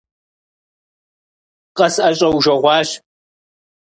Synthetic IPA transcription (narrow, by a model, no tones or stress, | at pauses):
qʼɐsʔɐɕʼɐwʒɐʁʷɑːɕ